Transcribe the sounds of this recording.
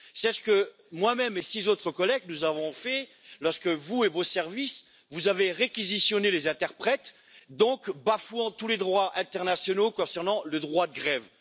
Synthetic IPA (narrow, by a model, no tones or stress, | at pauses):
sɛsə̥kə | mwamɛmesizot̪χəkɔlɛɡnuzavɔ̃fɛ | lɔʁskəvuevosɛʁvis | vuzaveʁekʲizisjɔnelezɛ̃t̪ɛʁpχɛt̪ | d̪ɔ̃kbafuɑ̃t̪uled̪ʁwaʔɛ̃t̪ɛʁnasjɔnokɔ̃sɛʁnɑ̃ləd̪ʁwad̪əɡʁɛv